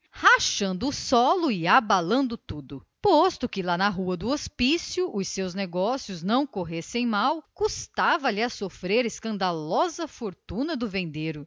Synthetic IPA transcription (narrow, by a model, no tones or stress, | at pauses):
haʃɐ̃nd̪ʊːsɔlʊɪabalɐ̃nd̪ʊt̪ud̪ʊ | post̪ʊkɪlanɐɦuɐd̪ʊospisjʊʔʊsewzneɡɔsjʊznɐ̃w̃koɦesẽj̃mawkust̪avɐʎɪasofɾeɾeskɐ̃nd̪alɔzɐfoɾt̪ũnɐd̪ʊvẽnd̪eɾʊ